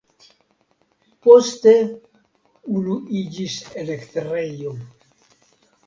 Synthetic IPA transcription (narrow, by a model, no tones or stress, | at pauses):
post̪e | uluʔid͡ʒiselekt̪erejo